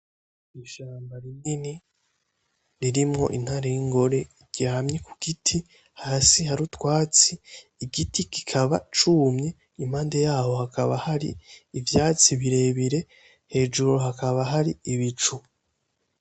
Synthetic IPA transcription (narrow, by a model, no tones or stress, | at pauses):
iʃaːmbaɾinini | ɾiɾimŋo̞̰ʔḭn̥haɾejiŋɡo̞ɾe̞iɟ̥iaamɲekuɡ̥itʰi | haːsiɦaɾutwaːt͡siː | ɡitiki̥kʰaβa̰t͡ʃuːmɲe | im̥aːnde̞jaːho̞hakaβahaɾḭːvjaːt͡siβiɾe̞ːβiɾe̞ | he̞ːd͡ʒuɾo̞ɦakaβaɦaɾiiβit͡ʃu